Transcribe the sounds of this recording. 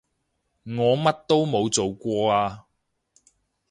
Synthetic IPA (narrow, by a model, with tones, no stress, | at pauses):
ŋɔː˨˧mɐ˥t̚t̪o˥wmo˨˧wt͡so˨wkʷɔː˧aː˧